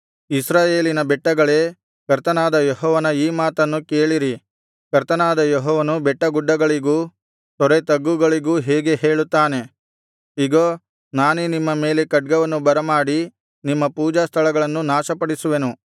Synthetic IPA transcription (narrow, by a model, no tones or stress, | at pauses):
isɾaːjeːlinɐbɛʈːɐɡɐɭeː | kɐɾt̪ɐnaːd̪ɐjɔɦɔːʋɐnɐiːmaːt̪ɐnːuke̞ːɭiɾi | kɐɾt̪ɐnaːd̪ɐjoɦɔːʋɐnubɛʈːɐɡuɖːɐɡɐɭiɡuː | t̪ɔɾet̪ɐɡːuɡɐɭiɡuːɦeːɡe̞he̞ːɭut̪ːaːne̞ | iɡoː | naːnunimːɐme̞ːle̞kɐɖ̚ɡɐʋɐnːubɐɾɐmaːɽi | nimːɐpuːd͡ʒast̪ʰɐɭɐɡɐɭɐnːunaːʃɐpɐɽisuʋe̞nu